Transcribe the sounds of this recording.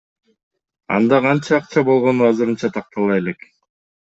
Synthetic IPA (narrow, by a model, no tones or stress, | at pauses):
ɑ̰nd̪ɑqɑnt͡ʃɑːqt͡ʃɑbo̞lˠʁo̞nuɑzɯɾɯnt͡ʃɑt̪ʰɑq̚t̪ʰɑlˠɑje̞le̞k